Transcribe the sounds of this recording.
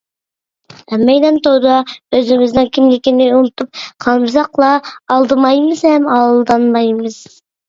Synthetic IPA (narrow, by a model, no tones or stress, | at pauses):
ɛmːɛjd̪ɛnt̪ʰod̪ɑøzɪmɪznɪŋkʲʰimj̪ekʲend̪ɪjunɨt̪ʰup̚qʰɑmzɑqlˠɑːlˠd̪ɨmɑjmɨzhɛmɑlˠlˠd̪ɑnmɑjmɨz̥